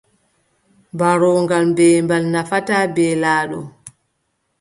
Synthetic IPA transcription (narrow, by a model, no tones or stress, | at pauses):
mbaɾɔŋɡalmbɛːmbalnafatabɛːlaːɗɔ